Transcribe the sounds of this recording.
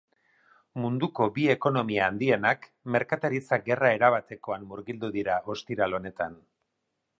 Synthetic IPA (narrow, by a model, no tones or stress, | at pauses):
mund̪uko̞bie̞ko̞no̞miaːnd̪ie̞nak | me̞ɾkat̪aɾit͡saɡe̞rae̞ɾaβ̞at̪e̞ko̞anmuɾɣild̪uðiɾao̞st̪iɾalo̞ne̞t̪an